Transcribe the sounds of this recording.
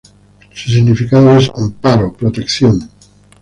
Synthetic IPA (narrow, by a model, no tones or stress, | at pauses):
sus̬iɣnifikaðoesampaɾopɾot̪e̞kθjon